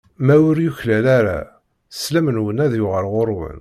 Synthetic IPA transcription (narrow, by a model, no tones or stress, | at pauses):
mæwʊɾjuçlælaɾa̰ | slæmənwənæðjʊʁəɾʁoɾˤwə̰n